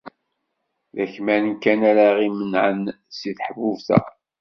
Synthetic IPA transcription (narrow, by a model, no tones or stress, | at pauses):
ðæçmænkːænæɾaʁimənʕən | siθħvuvθæ̰